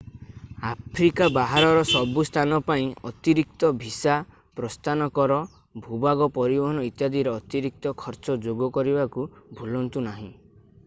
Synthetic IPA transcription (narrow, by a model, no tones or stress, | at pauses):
apʰɾikabaɦaɾɔɾɔsɔbust̪ʰanɔpaĩɔt̪iɾik̚t̪ɔbʱisa | pɾɔst̪ʰanɔkɔɾɔ | bʱubaɡɔpɔɾibɔɦɔnɔit̪jad̪iɾeɔt̪iɾik̚t̪ɔkʰɔɾt͡ʃɔd͡ʒoɡɔkɔɾibakubʱulɔnt̪unaɦḭ̃